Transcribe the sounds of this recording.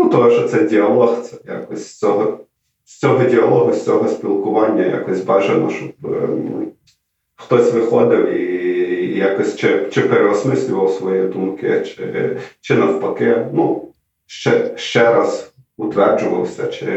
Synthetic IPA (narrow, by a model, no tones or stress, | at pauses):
nut̪ɔɛʃɔt̪sɛdʲiɐlˠɔxt̪sɛja̰kɔsʲsʲt͡sʲɔɦɔ | sʲt͡sʲɔɦɔdʲiɐlˠɔɦʊsʲt͡sʲɔɦɔsʲpʲilˠkʊʋɑnʲːɐ̰ja̰kɔsʲbɑʒenɔ̰ʃɔp | xt̪ɔsʲʋɪxɔd̪ɪwi | jakɔsʲt͡ʃɪt͡ʃɪpɾeɾɔsmɪsʲlʲʊʋɐwsʋɔjid̪umkɪ̰t͡ʃɪ̰t͡ʃɪnɐwpɐkɪnu | ʃt͡ʃɛʃt͡ʃɛɾɐz | ʊt̪ʋɛrd͡ʒʊʋɐ̰wsʲɐt͡ʃɪ̰